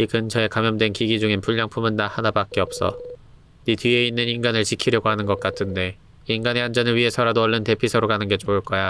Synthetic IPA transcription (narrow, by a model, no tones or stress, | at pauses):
ikɯnt͡ɕʌe̞kamjʌmdwe̞nkiɡid͡ʑuŋinpuʎːaŋpʰumɯnːahanabak̚k͈eʌp̚s͈ʌ̰ | nitɥie̞inːɯninɡanɯɭt͡ɕikʰiɾjʌɡoɦanɯnɡʌk̚k͈atʰɯnde̞ | inɡane̞and͡ʑʌnɯɭɥiɦe̞sʰʌɾadoʌɭːɯnte̞pʰisʰʌɾokanɯnɡe̞t͡ɕoɯɭk͈ʌja